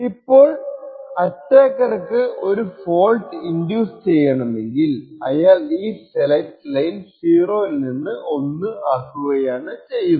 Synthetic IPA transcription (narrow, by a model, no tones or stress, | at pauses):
ipːo̞ːɭɐtːeːkːɐrɐkːɨʔo̞ɾufo̞ːlʈɨindjuːst͡ɕe̞jːɐɳɐme̞ŋɡilɐ̰jaːɭiːselɐjtːlɐjilsiːro̞ːilninːɨʔo̞nːɨaːkːuɣɐjaːɳɨt͡ɕe̞jːu